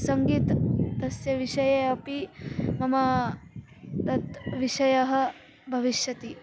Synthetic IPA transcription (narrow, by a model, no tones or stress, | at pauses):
sɐŋɡiːt̪ːɐsjɐʋiʂɐjɐɐpimɐmɐ | t̪ɐt̪ʋiʂɐjɐɦɐ̆ | bʱɐʋiʃjɐt̪i